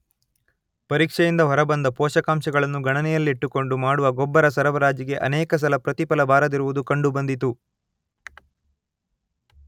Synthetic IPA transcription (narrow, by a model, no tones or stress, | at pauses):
pɐɾiːkʂɛjind̪ɐɦɐɾɐbɐnd̪ɐpɔːʃɐkaːmʃɐɡɐɭɐnːuɡɐɳɐnɛjɐlːiiʈːuko̞ɳɖumaːɽuʋɐɡɔbːɐɾɐsɐɾɐʋɐɾaːd͡ʒjɐɡe̞ʔɐ̰nɛːkɐs̬ɐlɐpɾɐt̪ipɐlɐbʱaːɾɐd̪iɾuʋud̪ukɐɳɖubɐnd̪it̪u